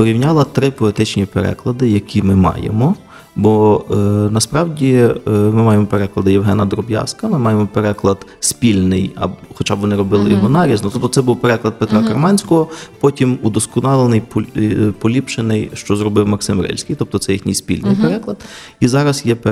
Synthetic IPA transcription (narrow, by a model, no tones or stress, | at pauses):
pɔɾʲiwnʲɑlˠɐt̪ɾɪpɔet̪ɪt͡ʃnʲipeɾɛ̰klˠɐd̪ɪjɐkʲʰimɪmɑ̰jḛmɔ | bɔ | nɐspɾɑwdʲimɪmɑjemɔpeɾɛklˠɐd̪ɪjewɦɛnɐd̪ɾɔbjɑ̰skɐmɪmɑjemɔpeɾɛklˠɐd̪̥spʲilʲnɪjɐ̰xɔt͡ʃɑbʋɔnɪɾɔbɪlˠɪɔɦɔnɑɾʲiznɔt̪ɔb̚t̪ɔt̪sɛbuwpeɾɛklˠɐd̪̚pet̪ɾɑkɐrmɑnʲsʲkɔɦɔpɔtʲimud̪ɔskɔnɑlˠenɪjppɔlʲipʃɪnɪjʃt͡ʃɔzɾɔbɪwmɐksɪmɾɛ̰lʲsʲkʲijt̪ɔp̚t̪ɔt̪sɛjixnʲijspʲḭlʲnɪjpeɾɛklˠɐd̪ | izɑɾɐsjɛp